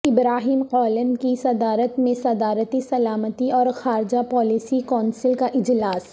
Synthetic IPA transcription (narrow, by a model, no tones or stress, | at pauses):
ɪbɾaːɦiːmqɔːlənkisɐd̪aːɾət̪mẽsɐd̪aːɾət̪isɐlaːmət̪iɔːɾxaːɾɪd͡ʒapɔːliːsikɔːnsɪlkaʔɪd͡ʒlaːs